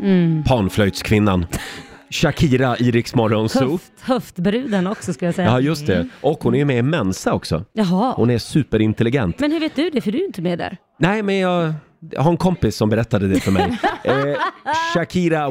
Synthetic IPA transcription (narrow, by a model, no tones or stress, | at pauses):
pʰɑːnflœjd̪skʰvɪnːan | ɕakʰiːɾaʔiːɾɪksmɔɾɔnsu | hœft̪bɾʉ̟ːd̪ənɔksɔskaljasɛjajɵst̪̚d̪ɛʔɔkhʊnæɾjɵmɛmɛnsaɔksɔ̰jɑɦɑhʊnæsʉ̟ːpəɾɪnt̪ɛlɪɡɛnt̪mɛnhɵɾveːt̪̚d̪ɵd̪ɛfəɖɵjɪnt̪əmed̪æ̰ɾ | næɪmɛnjɑːɡ | dhaɾɛnkʰɔmpɪsːɔmbɛɾɛt̪ːad̪əd̪ɛfœɾmɛ̰jj | ʃakʰiːɾa